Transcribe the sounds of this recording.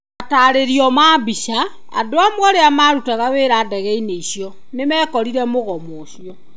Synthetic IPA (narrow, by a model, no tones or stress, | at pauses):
ataɾeɾiɔmaːbiʃa | a̰doamwɔɾeamaɾutaɣaβeːɾaːdɛɣɛineisjɔ | nemɛkɔɾiɾɛmoɣɔmoːʃjɔ